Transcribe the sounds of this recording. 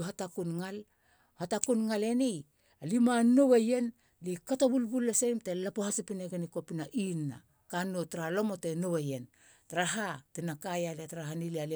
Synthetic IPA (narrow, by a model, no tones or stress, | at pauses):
ɦatakunŋal | hatakunŋale̞nij | alimano̞weje̞n | likatoβulbulːesemtelapohasipineɡeniko̞pinaʔinːa̰ | kanːotɾalo̞mo̞te̞no̞weje̞n | taɾaɦatenakajaletaɾaɦaniliale